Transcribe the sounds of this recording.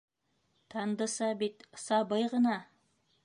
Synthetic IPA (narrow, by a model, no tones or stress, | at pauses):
t̪ʰɑnd̪ɤ̆sɑbit̪sɑbɤjʁɤ̆nɑ